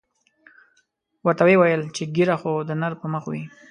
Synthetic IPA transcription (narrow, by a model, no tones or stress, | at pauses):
wəɾt̪awewajəlt͡ʃeɡiɾaxod̪ənaɾpəməxwi